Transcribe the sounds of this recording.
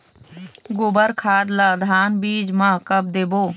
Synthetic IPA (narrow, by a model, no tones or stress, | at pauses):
ɡobəɾkʰaːd̪lad̪ʱaːnbiːd͡ʒmãkəb̚d̪eːboː